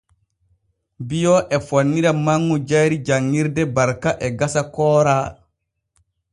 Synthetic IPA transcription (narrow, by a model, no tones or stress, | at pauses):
bijɔʔɛfonːiɾamaŋːud͡ʒajɾid͡ʒaŋːiɾdɛbaɾkaʔɛɡasakɔːɾa